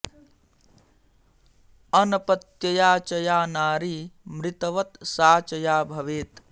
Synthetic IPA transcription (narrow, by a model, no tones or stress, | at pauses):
ənəpət̪jəjaːt͡ʃəjaːnaːɾimɾɪt̪əʋət̪saːt͡ʃəjaːbʱəʋeːt̪